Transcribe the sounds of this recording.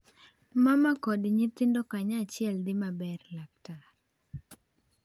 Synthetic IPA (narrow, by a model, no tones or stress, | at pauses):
mamakɔdiɲit̪indɔkaɲat͡ʃiɛld̪imabɛɾlak̚taɾ